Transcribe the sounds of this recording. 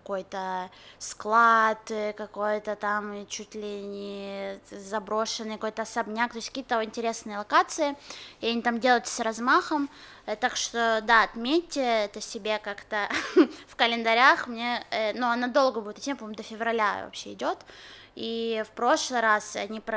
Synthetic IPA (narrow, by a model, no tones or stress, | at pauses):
kɐko̞jt̪əsklˠat̪kɐko̞jt̪ət̪amt͡ɕutʲlʲɪnʲɪ | zɐbɾo̞ʂɨnːɨjkɐko̞jt̪əsɐbnʲak̚t̪osʲkɐkʲit̪əɪnʲtʲɪɾʲe̞snɨjəlˠɐkat̪sɨɪɪɐnʲit̪amdʲelˠəjt̪srɐzmaxəm | t̪akʂt̪od̪aɐt̪mʲetʲːɪɛt̪əsʲɪbʲe̞kakt̪əfkəlʲɪnd̪ɐɾʲaxmnʲe̞ənuɐnad̪o̞lˠɡəbudʲɪt̪ɐt̪ʲempɐmʊd̪əfʲɪvɾɐlʲa̰vɐ̰pɕːe̞ɪ̰dʲo̞t̪ | ifpɾo̞ʂlˠɨjɾasɐ̰nʲip